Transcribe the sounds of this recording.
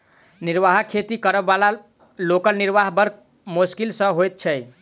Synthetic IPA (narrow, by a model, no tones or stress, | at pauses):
niɾʋaɦakʰet̪ikəɾəbala | lokəlniɾʋaɦbəɾk | muskilsə̃ɦojt̪̚t͡ʃʰɛ